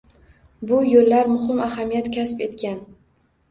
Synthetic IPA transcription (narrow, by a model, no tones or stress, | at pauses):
bʊjolːaɾmʊhɪmahamijat̪kʲʰaspe̞t̪kʲan